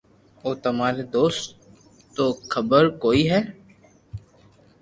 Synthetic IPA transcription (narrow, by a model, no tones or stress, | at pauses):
oːt̪ɐmaːɾed̪oːst̪ | t̪ːoxʰəbəɾkoːiɦɛː